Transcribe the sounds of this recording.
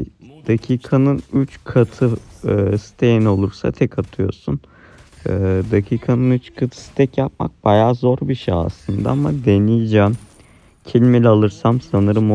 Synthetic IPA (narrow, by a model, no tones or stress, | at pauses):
d̪̥acʰiːkʰanɯnyt͡ʃkʰat̪ʰɯsi̥t̪ʰejino̞lˠuɾsa̰t̪ʰɛkʰat̪ʰɯjo̞̰sun | ɯd̪acʰiːkʰanɯnyt͡ʃkʰat̪ʰɯ̥si̥t̪ʰɛcjap̚ma̰k̚b̥ajaːzo̞ɾbiʃaa̰sˠɯnd̪a̰amad̪enijd͡ʒæm | cʰelʲimelʲɛalˠɯɾsamsanɯɾɯm